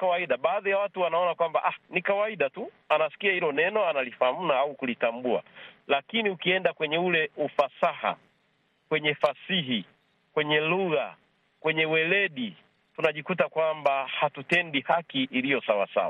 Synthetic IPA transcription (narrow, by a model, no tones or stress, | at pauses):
kawaiɗaɓaːðijawatuwanaɔnakwambaʔahnikawaiɗatu | anasi̥kiahilɔnɛnɔanalifaam̩naaukulitambua̰lakiniukiɛndakwɛɲɛulɛufasaha̰ | kwɛɲɛfasiɦi | kwɛɲɛluɣa | kwɛɲɛwɛlɛɗi | tunaʄikut̬akwambahatutɛndihakiʔːlijɔsawa̰sa̰wa